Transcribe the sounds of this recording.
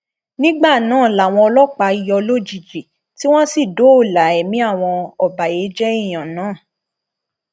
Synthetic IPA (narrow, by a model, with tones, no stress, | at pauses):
nĩ˦ɡ͡ba˦˨nãː˨˦˨la˨w̃ɔ̃˧ɔ˧lɔ˦k͡pa˧i˧jɔ˧lo˦d͡ʒi˨d͡ʒi˨ | ti˦w̃ɔ̃˦si˦˨do˨˦o˦˨la˨˦ɛ˨mĩ˨˦a˦˨w̃ɔ̃˧ɔ˧˨ba˨je˨˦d͡ʒɛ˦i˦˨j̃ã˨nãː˨˦˨